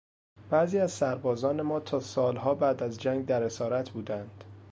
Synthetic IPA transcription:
b̥æːziːæz̥sæɾbɒːzɒːne̞mɒːt̪ʰɒːsɒːlɦɒːbæːd̪æzd͡ʒæŋɡd̪æɾe̞sɒːɾæt̪ʰbuːd̪ænd̪̥

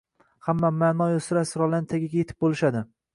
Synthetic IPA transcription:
hamːamaːnɒjosɪɾasɪɾɒlant̪ʰaɡʲaɡʲjet̪ʰɪ̥p̚bolɪʃad̪ɪ

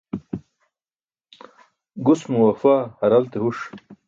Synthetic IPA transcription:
ɡusmuwɐfahɐɾalt̪eɦuʂ

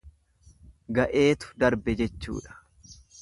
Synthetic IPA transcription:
ɡɐʔe̞ːt̪ʊ̥d̪ɐɾbɛd͡ʒɛt͡ʃːṵːᶑɐ̥

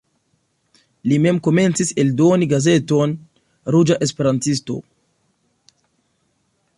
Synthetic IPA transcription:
lime̞mko̞me̞nt͡sise̞ldo̞niɡaze̞to̞n | ɾud͡ʒaʔe̞spe̞ɾantisto̞̰

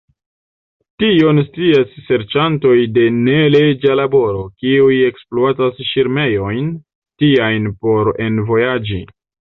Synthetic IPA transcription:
tio̞nstiasːe̞ɾt͡ʃanto̞jde̞ne̞led͡ʒalabo̞ɾo̞kiuje̞ksploatasʃiɾme̞jo̞jn | tiajnpo̞ɾe̞nvo̞jad͡ʒi

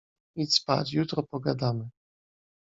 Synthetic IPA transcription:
it̪spa̰t͡ɕjut̪ɾɔpɔɡad̪amɘ

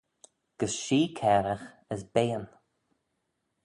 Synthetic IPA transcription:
ɡ̥əsʃiːkʰɛːɾəx | əsbeːən

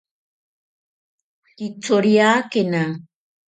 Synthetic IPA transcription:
kit͡soɾiakena

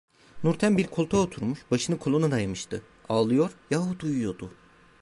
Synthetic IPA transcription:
nuɾt̪ʰænbiɾkʰo̞lˠt̪ʰaot̪ʰuɾmuʃbaʃɯnɯkʰolˠonud̪ajamɯʃt̪ʰɯ | aːlˠɯjo̞ɾjaɦud̪ujujo̞d̪u

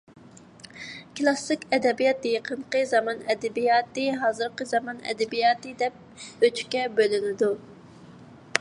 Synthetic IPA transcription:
klˠɑsɨkʲɛd̪ɛbijɑt̪jeqʰənqəzɑmɑnɛd̪ɛbijɑːt̪ɨɦɑːzɨɾqəzɑmɑnɛ̰d̪ɛbijɑːt̪ɨd̪ɛp̚ | øt͡ʃy̥kʲɛbølɪnɪd̪u

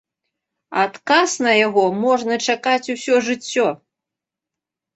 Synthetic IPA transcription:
at̪kasnɐjaɣɔmɔʐnɐt͡ʂakat͡sʲusʲɔʐɨt͡sʲːɔ

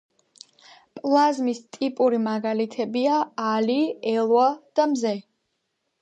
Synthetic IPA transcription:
pʼlˠazmist̪ʼipʼuɾimaɡalit̪ʰɛbiaːliɛlˠwad̪̥amzɛ

